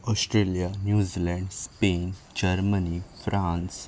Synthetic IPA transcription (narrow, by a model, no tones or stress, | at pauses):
ɔsʈɾelijanjuzilɛ̃ɳɖspend͡ʑəɾmənifɾʔãns